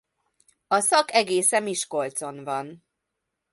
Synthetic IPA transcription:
ɒsɒkɛɡeːsɛmiʃko̞lt̪so̞nvɒn

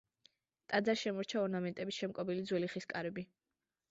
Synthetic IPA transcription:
t̪ʼad̪zaʃɛmɔɾt͡ʃʰaɔɾnamɛnt̪ʼɛbisʃɛmkʼɔbilid̪zwɛliχiskʼaɾɛbi

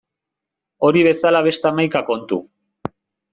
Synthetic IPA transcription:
o̞ɾiβ̞e̞salaβ̞e̞st̪eamajkako̞nt̪ṵ

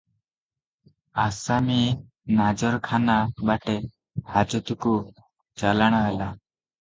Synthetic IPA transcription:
asami | nad͡ʒɔɾkʰanabaʈe | had͡ʒɔt̪uku | t͡ʃalaɽ̃ɔɦela

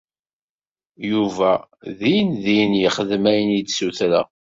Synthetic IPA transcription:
juvæðijənðijnjəχəðmæjənjid̪suθɾæ̰

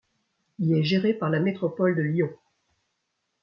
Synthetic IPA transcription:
ilɛʒeʁepaʁlamet̪χɔpɔld̪əljɔ̃

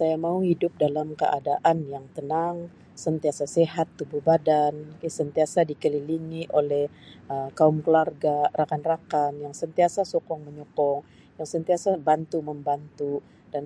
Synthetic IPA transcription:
sajamauhidʊp̚dalamkə̰ʔa̰daʔanjaŋt̪ənaŋ | sənt̪iasaseɦat̪ːubuhbadankisənt̪iasadikəliliŋiʔolɛh | əkaʊmkəlarɡarakanrakanjaŋsənt̪iasasokɔŋməɲɔkɔŋ | jaŋsənt̪iasabant̪uməmbant̪u | d̥an

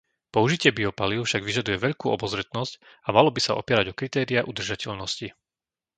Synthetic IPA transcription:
pɔuʒicɪɛbiɔpaliʊfʃaɡʋiʒad̪ujɛʋɛʎkuːɔbɔzɾɛt̪nɔsc | amalɔbisa̰ɔ̰pɪɛɾaɟɔkɾit̪ɛːɾiaʔud̪r̩ʒacɛʎnɔsci

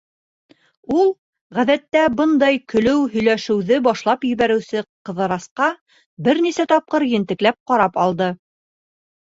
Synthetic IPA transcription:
ulˠ | ʁæðæt̪ːæbɤnd̪ɑjkɵ̆lɵwɦɵ̆jlæʃɘ̆wðɘbɑʃlˠɑpjɵ̆βæɾɘ̆wsɘqɤ̆ðɤ̆ɾɑsqɑ | bɘɾnisæt̪ɑp̚qɤɾjɘ̆nt̪ɘ̆klæp̚qɑɾɑpɑlˠd̪ɤ

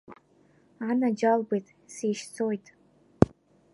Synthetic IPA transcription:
anad͡ʒalbɨjtʼsiʃt͡sʰojtʼ

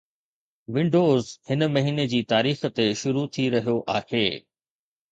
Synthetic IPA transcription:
ʋɪ̃ɳɖoːzhɪnəmɐɦiːned͡ʑiːt̪aːɾiːxt̪eʃʊɾut̪ʰiɾɐɦijoʔaːheː

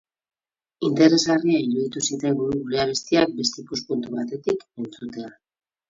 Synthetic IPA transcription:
int̪e̞ɾe̞zɣariaiɾuðit̪usit̪eŋɡuuɣuɾe̞aβ̞e̞st̪iak̚be̞st̪eikuspunt̪uβat̪e̞t̪ike̞nt͡sut̪e̞a

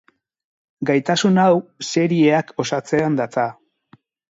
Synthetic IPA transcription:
ɡajt̪asunawse̞ɾie̞ako̞sat͡se̞and̪at͡sa

